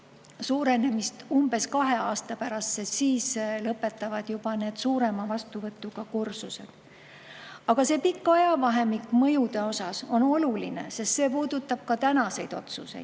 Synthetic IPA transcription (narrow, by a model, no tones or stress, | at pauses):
suːɾe̞ne̞mist̪umb̥e̞skɑɦe̞ɑːst̪ɑpæɾɑssesiːslɤpːˑe̞t̪ːˑɑvɑd̪̥jub̥ɑne̞ːd̪̥suːɾe̞mɑvɑst̪uvɤt̪ːˑuɡ̥ɑkursuse̞̰d̪̥ | ɑɡ̥ɑse̞ːpikːɑjɑvɑɦe̞mikːmɤjud̪e̞o̞sɑso̞no̞luline̞̰se̞st̪se̞ːpuːd̪̥ut̪ːˑɑb̥̚kɑt̪ænɑse̞jd̪̥o̞t̪suse̞̰j̥